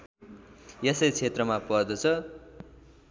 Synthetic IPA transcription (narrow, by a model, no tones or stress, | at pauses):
jʌsʌjt͡sʰet̪rʌmapʌd̪ʌt͡sʰʌ